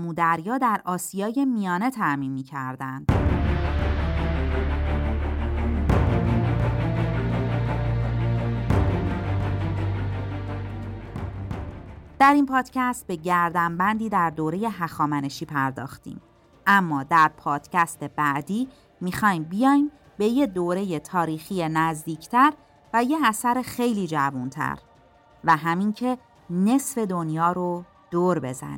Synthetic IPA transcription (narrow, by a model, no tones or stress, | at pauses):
muːd̪æɾjɒːd̪æɾɒːsijɒːje̞mijɒːne̞t̪ʰæʔmiːnmiːcʰæɾd̪ænd̪̥ | d̪̥æɾimpʰɒːd̪̥cʰæst̪̚be̞ɟæɾd̪æmbænd̪iːd̪æɾd̪oːɾe̞je̞ɦæxɒːmæne̞ʃiːpʰæɾd̪ɒ̰ːxt̪ḭːm | ʔæmːɒːd̪æɾpʰɒːd̪̥cʰæst̪e̞bæʔd̪iː | mixɒːjmbijɒːjm | be̞je̞d̪oːɾe̞jet̪ʰɒːɾiːxije̞næzd̪iːcʰt̪ʰæɾ | væjeæsæɾexe̞jliːd͡ʒævunt̪ʰæ̰ɾ | væɦæmiŋcʰe̞ | ne̞sfe̞d̪o̞njɒːɾo | d̪̥oːɾbe̞zæ̰nḭ